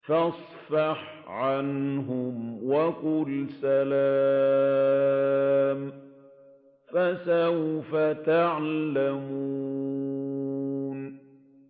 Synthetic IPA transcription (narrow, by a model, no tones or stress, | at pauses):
fɑsˤfɑħ | ʕanɦʊmwakʊlsalaː | m | fasawfat̪aʕlamuː | n